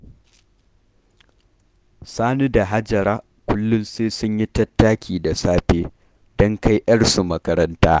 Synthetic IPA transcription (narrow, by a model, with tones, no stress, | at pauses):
saː˦nu˦da˨ɦa˦d͡ʒɐ˨ɾaː˦ | kʷʊ˦lːʊ˦nseː˦sʊ˦ɲji˦tɐ˦tːaː˦kʲʰiː˨da˨saː˦ɸeː˦ | dɔ˦ŋka˦jʔɐ˦ɽsu˨mɐ˦kɐ˦ɾɐ˦ntaː˦